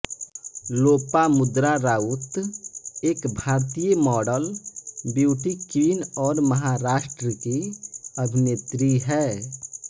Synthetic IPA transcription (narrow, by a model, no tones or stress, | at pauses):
loːpamʊd̪ɾaɾaːut̪ | eːkbʱaːɾt̪ijəmɔːɖəlbjuːʈikinɔːɾməɦaɾaːʃʈɾəkiəbʱɪneːt̪ɾiɦɛː